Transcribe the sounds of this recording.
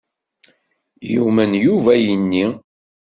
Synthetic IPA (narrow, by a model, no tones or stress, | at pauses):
jumənjuvæjənːi